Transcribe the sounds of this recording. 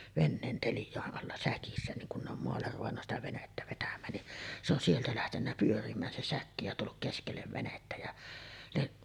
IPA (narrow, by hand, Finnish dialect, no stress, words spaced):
ʋenːeːn teljˑɑˑeʔ ʔɑlːɑ sækisːæ niŋ kun ne om moɑlːer ruʋenːɑ sitæ ʋenetːæ ʋetæmˑæːn ni se on sieltæ læhtenːæ pyørimˑæːn se sækːi jɑ tulːuk keskelːeʋ ʋenetːæ jæ niʔ